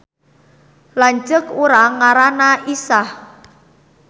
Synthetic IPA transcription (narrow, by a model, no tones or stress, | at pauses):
laɲt͡ʃəkuɾaŋaɾanaisah